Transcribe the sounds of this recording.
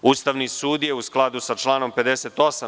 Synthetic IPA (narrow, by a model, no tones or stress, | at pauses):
ust̪aʋnisuːd̪je̞usklˠad̪usat͡ʃlˠaːno̞mpe̞d̪eseːt̪o̞sa